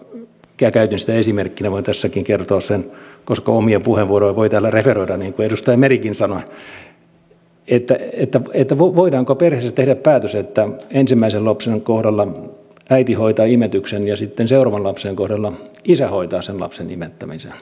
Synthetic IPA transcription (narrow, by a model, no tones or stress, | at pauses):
kæːkæyt̪inst̪æesimerkːinæʋoint̪æsːækiŋkert̪oːssenkoskɑomiɑpuheʋʋuoroiʋoit̪æːlːæreferoiɾɑnniːŋkuedust̪ɑjɑmerikinsɑno | et̪ːæet̪ːæet̪ːæʋoʋoidɑːŋkoperheːsæt̪ehɾæppæːt̪øset̪ːæensimːæisellɑpseŋkohdɑlːɑ | æit̪ihoit̪ɑːimet̪yksenjɑsit̪ːenseurɑʋɑnlɑpseːŋkohdɑlːɑisæhoit̪ɑːsenlɑ̰psenḭmet̪ːæmisḛn